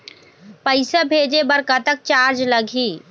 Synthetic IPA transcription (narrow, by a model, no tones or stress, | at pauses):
pəɪsabʱeːd͡ʒebɐɾkat̪ək̚t͡ʃaːɾd͡ʒlɐɡʱiː